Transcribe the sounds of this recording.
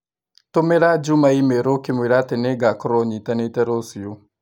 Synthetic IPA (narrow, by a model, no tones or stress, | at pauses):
tomɛɾad͡ʒumaimɛɾokimwiɾatɛnɛɡakɔɾɔɲitanɛtɛɾosio